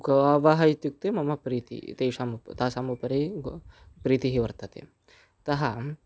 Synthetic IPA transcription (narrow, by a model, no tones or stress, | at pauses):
ɡɐʋaːʋaːɦɐjit̪juk̚t̪emɐmɐpɾiːt̪ḭt̪eːʂaːmupt̪aːsaːmupɐɾeɡpɾiːt̪iɦiʋɐɾt̪ɐt̪ḛ | t̪ɐɦɐ